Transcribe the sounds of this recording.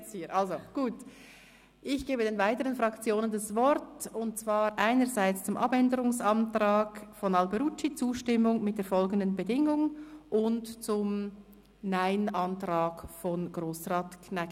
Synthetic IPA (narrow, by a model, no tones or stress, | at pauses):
siːɾʔɑlzoɡ̥uːt | ʔɪçɡ̥eːbədeːnvaɪtəʁənfʁɑkt͡sjoːnəndɑsvɔɾtʊnt̚t͡sv̥aːɾʔaɪnəɾzaɪt͡st͡sʊmʔɑbɛndəɾʊŋsɑntraːɡfɔnɑlbɛɾut͡ʃːit͡suːʃtɪmʊŋmɪt̚d̥eːɐfɔlɡən̩dənbədɪŋʊŋʔʊntt͡sʊm | naɪnɑntraːɡfɔnɡ̥ʁoːsʁaːtkʰnɛk